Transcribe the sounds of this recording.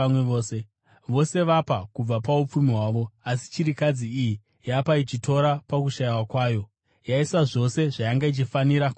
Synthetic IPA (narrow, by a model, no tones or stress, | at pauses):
amweoːse | ʋo̞se̞ʋapakub͡vapaup͡fumiɦwaːʋo̞asi̥t͡ʃiɾikad͡ziːji | japait͡ʃitʰo̞ɾapak̬uʃaiwakwaːjo̞ | jaisaʐo̞se̞ʐajaŋɡait͡ʃifaniɾak